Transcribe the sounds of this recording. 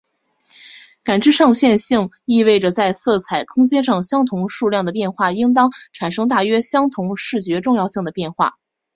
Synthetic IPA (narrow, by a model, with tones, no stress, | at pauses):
ka˨˩nʈ͡ʂɻ̩˥˧ʂɑ˥˧ŋɕjɛ˥˧nɕi˥˧ŋ | i˥˧we˥˩ɪʈ͡ʂə˩t͡sa˥˧ɪsɤ˥˩t͡sʰa˨˩ɪkʰʊ˥ŋt͡ɕjɛ˥nʂɑ˥˩ŋɕjɑ˥ŋt̪ʰʊ˧˥ŋʂu˥˧ljɑ˥˩ŋd̪ə˩p̬jɛ˥˧nxwa˥˩i˥ŋt̪̬ɑ˥ŋʈ͡ʂʰa˨˩nʂɤ˥ŋt̪a˥˩ɥɛ˥ɕjɑ˥ŋt̪ʰʊ˧˥ŋʂɻ̩˥˩t͡ɕɥɛ˧˥ʈ͡ʂʊ˥˧ŋjɑ˥˧ʊɕi˥˩ŋd̪ə˩pjɛ˥˧nxwa̰˥˩